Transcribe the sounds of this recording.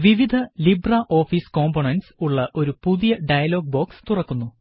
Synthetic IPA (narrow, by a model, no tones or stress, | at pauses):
ʋiʋid̪ʱɐlibrɐʔo̞ːfiːsko̞ːmpoɳɐnɖsuɭːɐʔo̞ɾupuðijɐɖɐjɐlo̞ːɡ̚bo̞ːkst̪urɐkːunːu